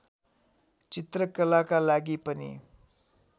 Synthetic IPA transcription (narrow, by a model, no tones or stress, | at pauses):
t͡ʃit̪ɾəkəlakalaɡipʌnḭ